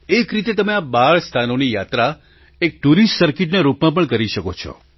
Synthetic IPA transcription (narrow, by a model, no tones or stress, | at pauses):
ekɾit̪et̪əmeabaɭst̪ʰanonijat̪ɾa | ek̚ʈuɾisʈsəɾkiʈ̬naɾupmãp̬əɳkəɾiʃəkot͡ʃʰɔ̰